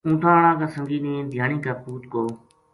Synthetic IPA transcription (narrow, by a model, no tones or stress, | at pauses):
ũːʈʰãːəɳãːkãːsəŋɡiːnẽːd̪ʱjaːnĩːkaːpuːt̪koː